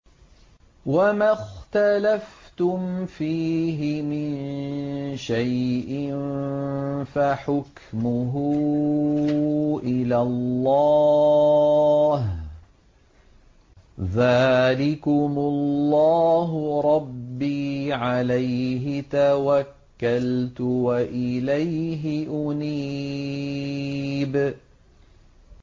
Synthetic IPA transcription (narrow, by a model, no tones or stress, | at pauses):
wamaxt̪alaft̪ʊmfiːɦɪmɪn | ʃajʔɪn | faħʊk | mʊɦʊ | ʔɪlalːɑ | h | ðaːlɪkʊmʊllːɑːɦʊɾˤɑbbːiːʕalajɦɪt̪awakːalt̪ʊwaʔɪlajɦɪʔʊniː | b